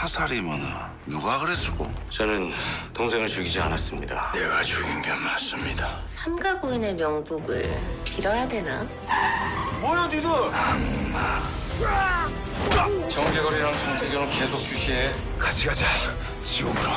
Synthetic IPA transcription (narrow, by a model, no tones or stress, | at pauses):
hasʰaɾimʌnɯ | nuɡaɡɯɾes͈ɯ̥ɡo̰ | t͡ɕʌnɯntoŋsʰe̞ŋɯɭt͡ɕuɡid͡ʑia̰nas͈ɯmɲida̰neɡat͡ɕuɡinɡemas͈ɯmɲida | sʰamɡaɡoine̞mjʌŋbuɡɯ̰ɭpiɾʌjadwe̞na | mojadido | a | t͡ɕʌŋɡeɡʌɾiɾaŋsʰɯnntʰeɡjoɾoke̞sʰok̚t͡ɕuɕʰie | kat͡ɕʰiɡad͡ʑi | t͡ɕioɡɾo